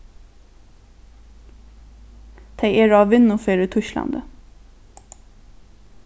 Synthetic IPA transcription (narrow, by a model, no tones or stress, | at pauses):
t̪ʰæɪʔeːɹɑːʋɪnʊfeːɾət̪ʰʉʃlɑ̰nd̪ə